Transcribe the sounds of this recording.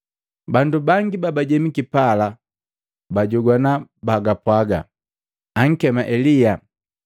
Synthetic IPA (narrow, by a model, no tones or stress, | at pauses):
bandubaŋɡibabaɟɛmikipala | baɟɔɡwanabaɡapwaɡa̰ | aŋ̩kɛmaʔɛlija